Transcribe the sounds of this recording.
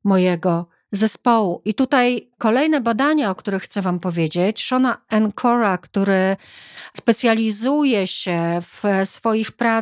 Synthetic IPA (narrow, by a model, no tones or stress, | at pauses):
mɔjɛɡɔ | zɛspɔwuʔit̪ut̪ajkɔlɛjnɛbad̪aɲaɔkt̪uɾɘxːt̪sɛvampɔvʲjed͡ʑet͡ɕʂɔnaɛnkʰɔɾakt̪uɾɘ | spɛt̪sʲjalʲizujɛɕɛfsfɔjixpɾa